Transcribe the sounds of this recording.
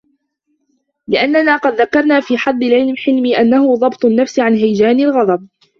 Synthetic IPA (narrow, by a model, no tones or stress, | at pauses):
lɪʔanːanaːqɑd̪ðakɑɾˤnaːfiːħɑd̪ˤːɪlʕɪlmħɪlmiːʔanːahʊðˤɑbt̪ˤʊnːafsʕanɦajd͡ʒaːnɪlɣɑd̪ˤɑb̚